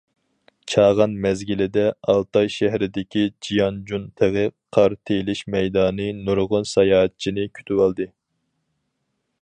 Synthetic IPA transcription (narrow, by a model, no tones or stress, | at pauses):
t͡ʃʰɑːʁɑnmɛzɡʲilɪd̪ɛɑlˠt̪ɑjʃæɦɾɪd̪ɪkʲid͡ʒijɑnd͡ʒunt̪ʰəʁɨqʰɑɾt̪ʰelɪʃmɛjd̪ɑːnɨnuɾʁʊnsɑjɑːɛt̪̚t͡ʃʰinɪkʲʰy̥t̪ʰywɑlˠd̪ɨ